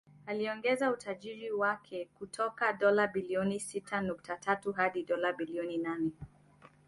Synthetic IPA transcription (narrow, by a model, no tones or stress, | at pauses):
aliɔŋɡɛzautaʄiɾiwakʰɛkutʰɔkaɗɔlaɓiliɔnisitʰanuk̚tʰatatuɦaɗiɗɔlaɓiliɔninanɛ